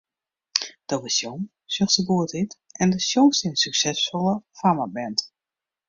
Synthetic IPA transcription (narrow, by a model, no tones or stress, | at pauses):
d̥ɔʋɪsjom | søxsəbuətitɛndəsjomsɪnnsyksɛsfɔlˠəfaməbɛnt